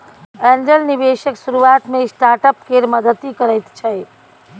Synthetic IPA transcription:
ɛnd͡ʒəlniʋeːʃəksuɾuaːt̪mẽsʈaːʈəpkeɾməd̪ət̪ikəɾəjt̪t͡ʃʰɛj

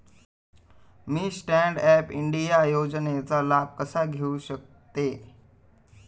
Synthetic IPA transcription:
mĩːsʈɛ̃ɳɖɛːpɪɳɖijajoːd͡ʑnet͡salaːb̚kəsaɡʱeuʃək̚ | t̪eː

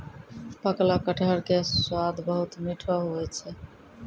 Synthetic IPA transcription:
paklakəʈʰaɾkeswad̪ʱbʌɦut̪miʈʰaɦojet͡ɕʰe

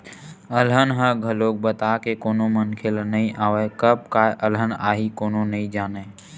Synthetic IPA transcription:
əlɦənɦəɡʱəloːk̚bət̪akekoːnomənkʰelnəɦĩʔaːʋekəb̚kaʔələnaːɦikoːnonəɦĩd͡ʒaːneː

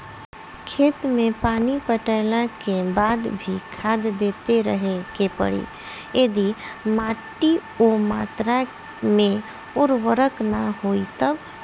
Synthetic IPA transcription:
kʰeːt̪mẽpaːnipəʈəɪlãkebaːd̪bʱikʰaːd̪ːeːt̪eɾə̰ɦekepə̰ɽḭː | jed̪imaːʈːi | omaːt̪ɾa | mẽ | ʊɾwəɾəknaɦoːit̪əb

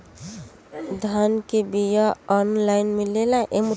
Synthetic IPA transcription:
d̪ʱankebijaɔnlajnmilelaʔem

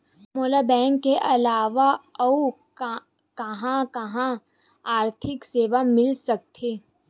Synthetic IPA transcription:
moːlabɛ̃ːŋkːeʔɐlaːʋaɐu | kɐɦãkɐɦã | aːɾt̪ʰɪkseːʋamɪlsɐk̚t̪ʰeː

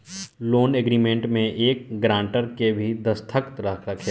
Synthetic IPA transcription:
loːneɡɾiːmẽɳʈmẽʔeːkɡɾãːɳʈəɾkebʱid̪ɐst̪ʰəkt̪ɾɐkʰɾɐkʰe

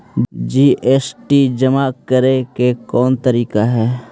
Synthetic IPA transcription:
d͡ʒiːʔeːsʈid͡ʒəmakəɾekekɔːnt̪əɾiːkaɦɛː

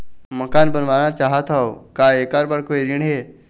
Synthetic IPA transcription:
mɐkaːnbənʋaːnat͡ʃaːɦət̪ʰaokaːeːkaɾbəɾkoiɾiɳ̃ɦeː

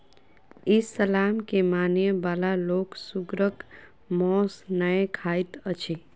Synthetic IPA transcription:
isəlamkemanjəbalaloksuɡɾək | mɔsnəekʰait̪ət͡ʃʰi

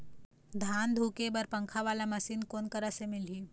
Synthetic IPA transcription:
d̪ʱand̪ʱukebəɾpəŋkʰaʋalaməsiːnkonkəɾəsemilɦiː

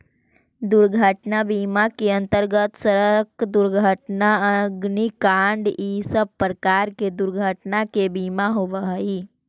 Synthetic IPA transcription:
d̪ʊɾɡʱəʈnabiːmakeə̃nt̪əɾɡət̪səɾəkd̪ʊɾɡʱəʈnaəɡnikaːɳɖiːsəb̚pːɾəkaːɾked̪ʊɾɡʱəʈnakebiːmaɦoʋəɦəiː

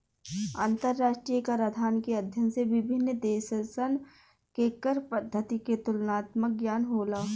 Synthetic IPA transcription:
aːnt̪əɾːaːʃʈɾijkaɾɐd̪ʱaːnkeɐd̪ʱjənseʋɪbʱɪnːəd̪eːʃəsən | kekəɾpəd̪ʱːət̪iket̪ʊlnaːt̪mək̚ɡjaːnɦoːlaː

